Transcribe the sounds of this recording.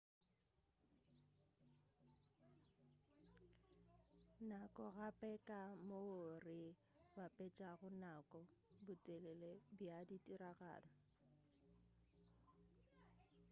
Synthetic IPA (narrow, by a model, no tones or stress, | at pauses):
nakʼɔɣapʼɛkʼamoʊrɪ | bapʼɛt͡ʃʼaɣʊnakʼɔbʊtʼɛlɛlebjaditʼiɾaɣa̰ːlɔ